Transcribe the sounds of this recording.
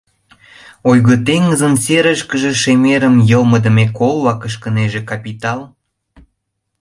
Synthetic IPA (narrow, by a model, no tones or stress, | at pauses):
ojɣət̪eŋəzənseɾəʃkəʒeʃemeɾəmjəlməd̪ə̆mekolβɑkəʃkəneʒekɑpit̪ɑl